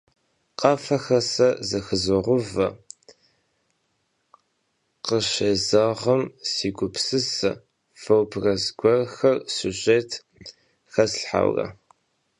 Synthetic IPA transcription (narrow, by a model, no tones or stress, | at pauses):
qɑfɐxɐsɐzɐxɨzɨʁʷʊvɐ | qəʃeːzaʁɐmsiːɡʷʊpsɨsɨ | fɐwbrɐzɡʷɔrxɐrsuʑʼeːtʰ | xɐsɬħa̰wrɐ̰